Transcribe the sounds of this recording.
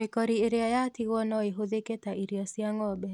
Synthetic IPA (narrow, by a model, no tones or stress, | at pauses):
mɪkɔɾieɾeajatiwɔnɔeɦoðeketaʔiɾiɔsjaŋɔbɛ